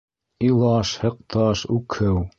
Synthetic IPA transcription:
ilˠɑʃhɤ̆q̚t̪ɑʃʉkʰɘw

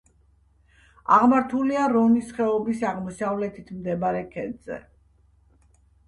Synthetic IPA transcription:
a̰ʁmaɾt̪ʰuliaɾɔnisχɛɔbisaʁmɔsavlɛt̪ʰit̪ʰmd̪ɛbaɾɛkʰɛd̪zɛ̰

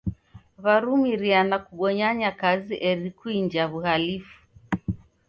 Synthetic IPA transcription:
βaɾumiɾianakuɠɔɲaɲakaziʔɛɾikuiɲd͡ʒaβuhalifu̥

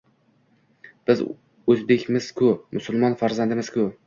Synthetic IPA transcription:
b̥ɪz | ɵzbe̞kʲmɪz̥kʰʊmʊsʊlˠmɒnfaɾzand̪ɪmɪz̥kʰʊ

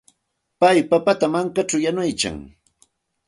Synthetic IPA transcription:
pajpapat̪amaŋkat͡ʃawjanʊjka̰ŋ

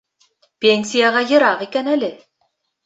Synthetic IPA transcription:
pʲenʲsʲijaʁɑjɤ̆ɾɑqikænælɘ

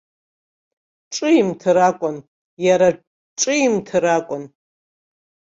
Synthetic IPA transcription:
ʈ͡ʂʼɨimtʰɨɾakʷʼʊn | jaɾa | ʈ͡ʂʼɨimtʰɨɾakʷʼʊn

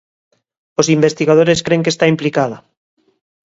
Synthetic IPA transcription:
osimbe̞st̪iɣað̞oɾe̞skɾeŋkest̪aimplikaða

